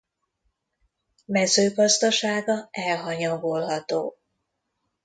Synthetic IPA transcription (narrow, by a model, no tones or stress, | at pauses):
mɛzøːɡɒzd̪ɒʃaːɡɒɛlɦɒɲɒɡolɦɒt̪o̰ː